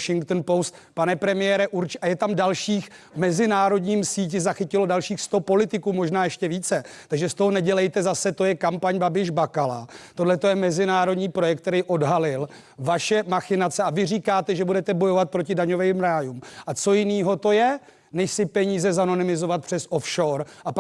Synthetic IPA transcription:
ʃɪŋkt̪n̩post̪panɛpɾɛmɪjɛɾɛʔuɾt͡ʃʔajɛt̪amdalʃiːx | mɛzɪnaːɾo̞dɲiːmsiːc̬ɪzaxɪcɪlo̞dalʃiːxst̪o̞po̞lɪt̪ɪkuːmo̞ʒnaːjɛʃcɛviːt͡sɛt̪aɡʒɛst̪o̞ɦo̞nɛɟɛlɛjt̪ɛzasɛt̪o̞jɛkampaɲbabɪʒbakala̰t̪o̞dlɛt̪o̞jɛmɛzɪnaːɾo̞dɲiːpɾo̞jɛk̚t̪ːɛɾijʔo̞dɦalɪl | vaʃɛmaxɪnat͡sɛavɪriːkaːt̪ɛʒɛbudɛt̪ɛbo̞jovat̪̚pɾo̞cɪdaɲo̞vɛjmɾaːjumʔat͡so̞jɪniːɦo̞t̪o̞jɛ | nɛʃsɪpɛɲiːzɛzano̞nɪmɪzo̞vat̪̚pr̥ɛsʔofʃoːɾʔap

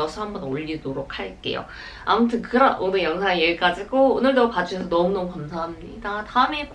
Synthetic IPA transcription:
ʌsʰʌɦambʌnoʎːidoɾokʰhaɭk͈e̞̰jo̰ | a̰mutʰɯnkɯɾʌnʔonɯɭjʌŋsʰaŋejeɭk͈ad͡ʑiɡoonɯɭdʌkad͡ʑuɕʰʌsʰʌnʌmunʌmukamsʰaɦamɲidataɯme̞k

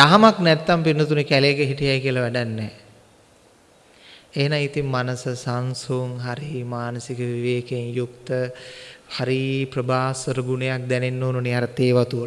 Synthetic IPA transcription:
daɦamaknæt̪ːampinːət̪unikælekəɦiʈijajkiəlɐʋɛɖanːɛː | enaŋit̪immanəsəsansoŋɦaɾimaːnəsikəʋiʋeːkeŋjukt̪ə | haɾipɾəbʱaːsəɾəɡunejak̚d̪ɛnenːoːnoniaɾət̪eːʋat̪un

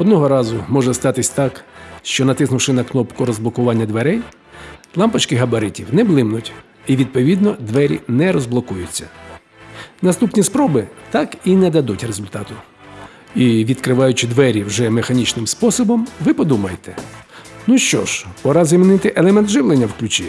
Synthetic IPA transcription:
ɔd̪nɔɦɔɾɑzʊmɔʒɛst̪ɑt̪ɪsʲt̪ɑkʃt͡ʃɔnɐt̪ɪsnʊwʃɪnɐknɔpkʊɾɔzblˠɔkʊʋɑnʲːɐd̪ʋeɾɛj | lˠɑmpɐt͡ʃkɪɦɐbɐɾɪtʲiwnɛblˠɪmnʊtʲ | iʋʲid̪̚pɔʋʲid̪nɔd̪ʋɛɾʲḭnɛɾɔzblˠɔkujʊt͡sʲːɐ̰ | nɐst̪upnʲispɾɔbɪt̪ɑkinɛd̪ɐd̪utʲrezʊlʲt̪ɑt̪ʊ | iʋʲid̪kɾɪʋɑjʊt͡ʃɪd̪ʋɛɾʲiwʒɛmexɐnʲit͡ʃnɪmspɔsɔbɔmʋɪpɔd̪umɐjet̪ɛ̥nuʃt͡ʃɔ̰ʃpɔɾɑzʲɐmʲinɪt̪ɪʔelˠɛmɛnt̪ʒɪʋlˠenʲːɐwklʲʊt͡ʃi

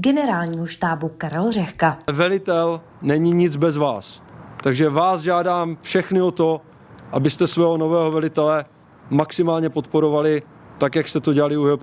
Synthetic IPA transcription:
ɡɛnɛɾaːlɲiːɦoʃt̪aːbukaɾɛlrɛxkavɛlɪt̪ɛl | nɛɲiɲɪd͡zbɛzvaːst̪aɡʒɛvaːsʒaːdaːmfʃɛxnɪot̪o | ʔabɪst̪ɛsvɛːɦonovɛːɦovɛlɪt̪ɛlɛ | maksɪmaːlɲɛpot̪po̞ɾo̞valɪ | t̪akjakst̪ɛt̪o̞ɟɛalɪuɛp

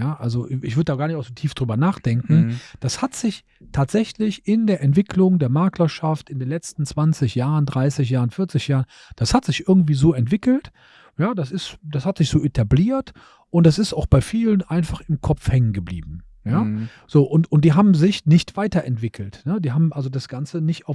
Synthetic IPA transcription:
jaːʔalzoɪ̰çv̥ʏɐdədaːɡaːɐnɪçtʔaʊxzoːtʰiːfd̥ʁyːbɐnaːχd̥ɛŋkŋ̩d̥ashatz̥ɪç | tʰaːtz̥ɛçlɪçʔɪndeːɐʔɛntv̥ɪkʰlʊŋdeːɐmaːklɐʃaftɪndeːnlɛt͡stn̩t͡sv̥ant͡sɪçjaːʁəndʁaɪsɪç̬jaːʁənfɪɐt͡sɪçjaːʁən | d̥ashatz̥ɪçʔɪɐɡŋ̩tv̥iːzoːɛntv̥ɪkl̩t | jaːdasɪstd̥ashatz̥ɪçz̥oːʔetʰabliːɐt | ʔʊntd̥asɪstaʊxb̥aɪfiːlənʔaɪnfaχɪmkʰɔpp͡fhɛŋənɡəblḭːbm̩ | jaː | z̥oːʔʊntʊnt̚d̥iːɦaːbm̩zɪçnɪçtv̥aɪtɐʔɛntv̥ɪkʰl̩tnədiːɦaːbm̩ʔalzodasɡ̥ant͡sənɪçtaʊf

